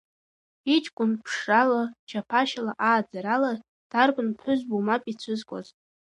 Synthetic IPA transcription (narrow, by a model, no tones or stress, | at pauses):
it͡ʃʼkʷʼʊnpʰʂalat͡ʃʰapʰaʃalaʔaːd͡zaɾala | d̥arkʷʼʊnpʰħʷʊzbumapʼit͡sʷʰɨzkʷʼo̰z